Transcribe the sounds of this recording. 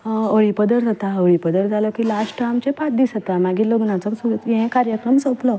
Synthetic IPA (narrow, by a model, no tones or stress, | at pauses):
əɭipəd̪əɾd͡zat̪aəɭipəd̪əɾd͡zalɔkiːlasʈamt͡ɕẽpat̪̚d̪isət̪amaɡiːloɡnãt͡sɔsujɛ̃kaɾjəkɾəmsə̃plɔ